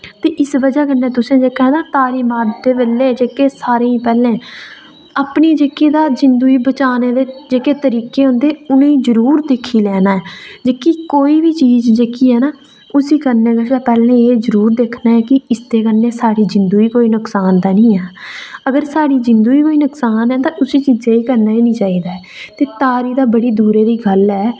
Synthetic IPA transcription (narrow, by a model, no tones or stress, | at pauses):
t̪eːʔɪsʋəd͡ʒaːkənːẽːt̪ʊsẽːd͡ʒeːkʰɛ̃ːd̪aːt̪aːɾiːmaːɾd̪eːbəlːeːd͡ʒeːkeːsaːɾeːĩːpɛːlẽː | apniːd͡ʒeːkeːd̪aːd͡ʒɪnd̪uːiːbət͡ʃaːneːd̪eːd͡ʒeːkeːt̪əɾiːkeːɦõnd̪eːʊnẽːĩːzəɾuːɾd̪eːkʰːiːlɛːnaːɛːd͡ʒeːkiːkoːiːbiːt͡ʃiːzd͡ʒeːkiːɦɛːnaː | ʊsiːkəɾneːɡəʃaːpɛːlẽːeːzəɾuːɾd̪eːkʰnaːɛːkɪɪsd̪eːkənːeːsaːɽiːd͡ʒɪnd̪uːiːkoːiːnʊksaːnd̪aːnĩːɛːəɡəɾsaːɽiːd͡ʒɪnd̪uːiːkoːiːnʊksaːnɛːt̪ãːʔʊsiːt͡ʃiːd͡ʒeːiːkəɾnaːiːnĩːt͡ʃaːiːd̪aːɛːt̪eːt̪aːɾiːd̪aːbəɽiːd̪uːɾeːd̪iːɡəlɦɛː